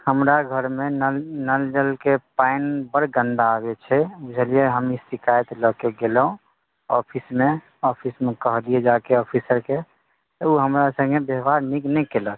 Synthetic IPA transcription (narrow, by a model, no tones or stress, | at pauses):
həmɾaɡʱəɾmenəlnəld͡ʒəlkepaɪnbəɾɡə̃nd̪aːbet͡ʃʰɛud͡ʒʱəlieɦəmisikajt̪ləkeɡeləɦũ | ɔ̰pʰismẽ | ɔpʰismekəɦlied͡ʒakeɔpʰisəɾke | t̪ɔuɦəmɾasə̃ɡebeɦbaɾniknɛkelək